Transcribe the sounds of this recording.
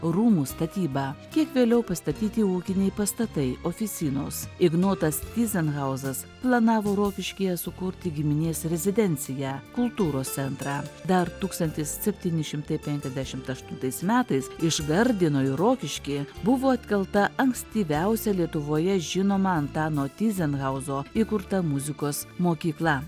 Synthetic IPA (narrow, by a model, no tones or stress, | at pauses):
ɾuːmuːst̪ɐt̪ʲiːbɑːkʲiɛkʋʲeːlʲɛʊpɐst̪ɐt̪ʲiːt̪ʲiuːkʲɪnʲɛɪpɐst̪ɐt̪ɐɪʔoːfʲɪt̪sʲiːnoːsɪɡnoːt̪ɐst̪ʲiːzʲɛnɣɐʊzɐs | plˠɐnɑːʋoːɾoːkʲɪʃʲkʲijɛsʊkʊɾʲt̪ʲɪɡʲɪmʲɪnʲeːsɾʲɛzʲɪd̪ʲɛnʲt̪sʲɪjæːkʊlˠt̪uːɾoːst̪sʲɛnt̪ɾɑːd̪ɐɾt̪uːkst̪ɐnʲt̪ʲɪssʲɛpʲt̪ʲiːnʲɪʃʲɪmt̪ɐɪpʲɛŋʲkʲɛzʲd̪ʲæʃʲɪmt̪ɐʃt̪ʊnt̪ɐɪsmʲæːt̪ɐɪsɪʒɡɐɾʲd̪ʲɪnoːɪɾoːkʲɪʃʲkʲiːbʊʋoːɐt̪ʲkʲɛlˠt̪ɐʔɐŋksʲt̪ʲiːʋʲæʊsʲɛlʲiɛt̪ʊʋoːjɛʒʲɪnoːmɐɐnt̪ɑːnoːt̪ʲiːzʲɛnɣɐʊzoːikʊɾt̪ɐmʊzʲɪkoːsmoːkʲiːklˠɐ